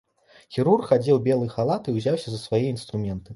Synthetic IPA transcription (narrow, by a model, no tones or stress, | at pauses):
xʲiɾurkxad͡zʲɛwbʲɛlˠɨxalˠat̪ɨwzʲawsʲɐzɐsvajɛinst̪ɾumʲɛnt̪ɨ